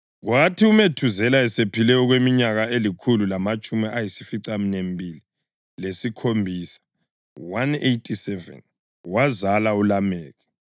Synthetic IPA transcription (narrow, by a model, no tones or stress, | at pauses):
ɣwatʰiumetʰuzɛlaɛsepʰilɛɔɣwemiɲaɣaelikʰululamat͡ʃʼumiʔajisifiǀaminembʱili | lesikʰombʱiːsḁ | wanejtʰʼisɛvɛ̰n | wazalaulamɛːɣɛ